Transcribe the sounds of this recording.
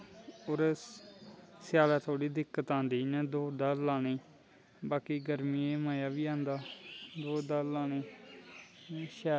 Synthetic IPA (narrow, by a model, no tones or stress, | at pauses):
oːɾ | sjaːlaːt̪ʰoːɽiːd̪ɪkːət̪ãːnd̪iːnɛ̃ːd̪oːd̪aːlaːneː | baːkiːɡəɾmiːeːmaːjaːʋiːãːnd̪aːd̪oːd̪aːlaːneː | ʃɛː